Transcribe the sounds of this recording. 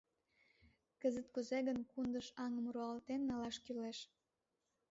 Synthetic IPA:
kəzət̪̚kuzeɣənkund̪əʃɑŋmuɾoɑlt̪enːɑlɑʃkyleʃ

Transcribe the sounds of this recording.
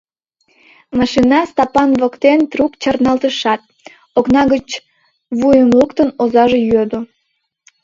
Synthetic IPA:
mɑʃinɑst̪ɑpɑnβə̆kt̪ent̪rukt͡ɕərnɑlt̪əʃɑt̪̚ | oknɑɣət͡ɕ | βujəmləkt̪ənozɑʒejød̪o

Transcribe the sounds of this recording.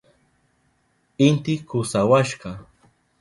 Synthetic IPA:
ɪnt̪ɪkʊsawaʃɢɑ

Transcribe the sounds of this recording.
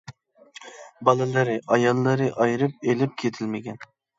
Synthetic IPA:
bɑlˠɨlˠɨɾɨʔɑjɑlˠːɨɾɨʔɑjɾɨp̚elɪp̚kʲʰet̪ʰɪlmɪkʲɛn

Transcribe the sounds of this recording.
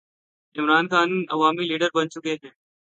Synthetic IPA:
ɪmɾaːnxaːnɐ̰ʋaːmiliːɖəɾbɐnt͡ʃʊkeːɦɛ̃ː

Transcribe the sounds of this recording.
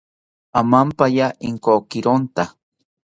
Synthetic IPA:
amampajaʔiŋkokiɾont̪a

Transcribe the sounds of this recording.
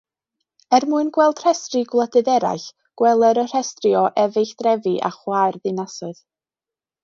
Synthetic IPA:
ɛrmuɨnɡwɛlˠd̥r̥ɛstriɡwlˠədɨðɛɾa̰jɬ | ɡ̥wɛlˠəɾər̥ɛstriɔʔɛvɨɬd̥rɛviʔa̰χwajrðɨnasʊɨð

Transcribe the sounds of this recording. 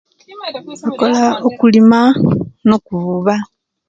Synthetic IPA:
ako̞laokulimano̞kuβuβa

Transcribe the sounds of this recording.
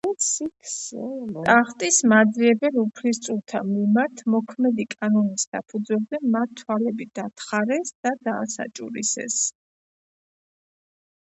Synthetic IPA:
sikʰst̪ʼaχt̪ʼismad̪ziɛbɛlupʰlist̪sʼulˠt̪ʰamimaɾt̪ʰmɔkʰmɛd̪ikʼanɔnisd̪̥apʰud̪zwɛld̪ɛmat̪t̪ʰːwalɛbid̪at̪ʰχaɾɛsd̪̥ad̪aːsa̰t͡ʃʼṵɾḭsɛ̰s

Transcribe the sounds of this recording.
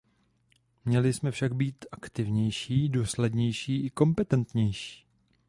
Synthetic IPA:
mɲɛlɪsmɛfʃaɡbiːt̪ʔakt̪ɪvɲɛjʃiːduːslɛdɲɛjʃiːʔɪko̞mpɛt̪ɛnt̪ɲɛjʃi̥ː

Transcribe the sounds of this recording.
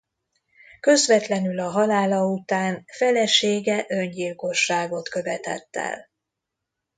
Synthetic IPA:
kø̞zvɛt̪lɛnylɒɦɒlaːlɒut̪aːnfɛlɛʃeːɡɛʔøɲɟilko̞ʃːaːɡo̞t̪kø̞vɛt̪ɛ̰t̪ːɛ̰l

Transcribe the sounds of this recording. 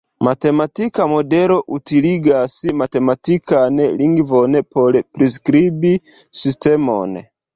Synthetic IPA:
mate̞matikamo̞de̞lo̞ʔutiliɡasmate̞matikaneliŋɡvonpolpɾis̬kɾibi | sistemo̰n

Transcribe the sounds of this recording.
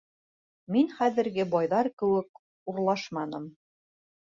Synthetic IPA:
minχæðɘ̆ɾɡɘbɑjðɑɾkɘ̆wɘk̚ | uɾlˠɑʃmɑnɤm

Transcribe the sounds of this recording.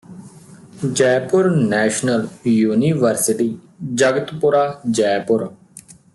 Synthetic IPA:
d͡ʒɛːpʊɾnɛːʃnəljuːniːʋəɾsɪʈiː | d͡ʒəɡət̪pʊɾaːd͡ʒɛːpʊɾ

